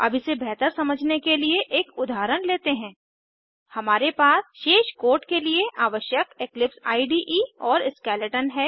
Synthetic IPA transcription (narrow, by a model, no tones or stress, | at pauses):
ɐ̰bʱisebɛɦt̪əɾsɐməd͡ʒʱnekelieʔeːkʊd̪ʱaːɾənleːt̪eɦɛ̃ː | hɐmaːɾepaːsʃeːʃkoːɾʈkelieʔaːʋəʃjəkeklɪpsa̰ːiɖiːʔiɔːɾɪskɛːləʈənɦɛː